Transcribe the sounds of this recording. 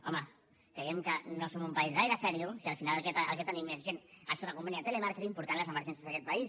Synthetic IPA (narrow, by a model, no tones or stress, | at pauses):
ɔmə | kɾejɛmkənosomumpaizɣajɾəsɛɾiusiəlˠfinalkɛt̪ə̰lˠket̪ənimːezʒenaʃɔðəkumpaɲiat̪elemaɾkeɾimpuɾt̪anləzəməɾʒɛnsjazðəkɛt̪̚pɐis